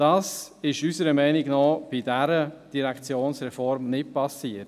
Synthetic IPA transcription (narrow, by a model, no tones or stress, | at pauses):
d̥ɑːsɪʃysəɾəmɛɪnɪɡnɔːb̥ɪdæɾəd̥iɾɛkt͡sjoːnsɾɛfɔɾmnɪt̚pɑsiːət